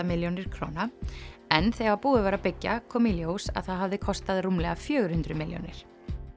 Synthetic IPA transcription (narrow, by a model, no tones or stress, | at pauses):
amɪljownɪɾ̥kʰɾo̰wnaɛnθɛɣvapuːðɪvaːɾapɪcːa̰kʰɔmiljowsa̰ðθaðɦavðɪkʰɔst̪aðrumlɛɣafjœːɣɾ̥hʏnt̪ɾʏmɪljo̰nɪ̰ɾ̥